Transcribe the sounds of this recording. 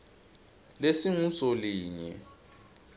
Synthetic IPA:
lesiŋusɔliːɲɛ̰

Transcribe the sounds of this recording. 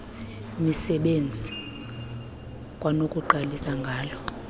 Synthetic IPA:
misɛɓend͡zʱi | kʼwanokʼuǃalisaŋɡʱaːlɔ

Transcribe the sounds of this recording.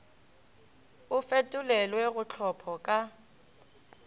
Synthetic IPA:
ʊfetʼʊlɛlwɛɣʊt͡ɬʰɔpʰɔkʼa

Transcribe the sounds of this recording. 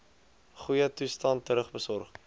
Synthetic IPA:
χujətustɐntːəɾəχbəsɔrχ

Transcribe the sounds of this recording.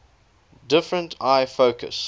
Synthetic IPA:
dɪfɹə̃ntʰaɪfoʊkʰə̰s

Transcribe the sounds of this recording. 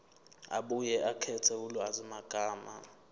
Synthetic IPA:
a̰ɓujɛʔakʰɛtʰɛulɔazimaɡ̥ʱaːma̰

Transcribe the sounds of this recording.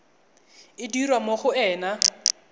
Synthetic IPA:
ɪdirwamoχʊɛːna

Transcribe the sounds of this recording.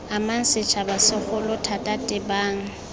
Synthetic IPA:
aman̩sɪt͡ʃʰabasɪχʊlʊtʰatʼatʼɪbaːŋ̩

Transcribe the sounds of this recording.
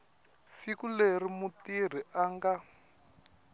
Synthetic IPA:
sikulerimutir̤iʔaŋɡa

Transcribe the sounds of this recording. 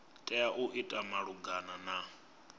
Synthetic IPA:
tʼɛaʔuʔitʼamaɺuɡanana

